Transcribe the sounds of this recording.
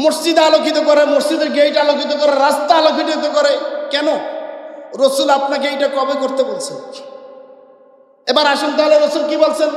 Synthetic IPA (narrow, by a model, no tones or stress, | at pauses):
moɾsd͡ʑid̪alokit̪̬okoɾemoɾd͡ʑid̪eɾɡejʈalokit̪̬okoɾeɾast̪aalokiʈit̪okoɾekɛno | ɾosulap̚nak̬eejʈakɔbekoɾt̪ebolt͡ɕʰen | ebaɾaʃont̪eɦoleɾosulkibolt͡ɕʰen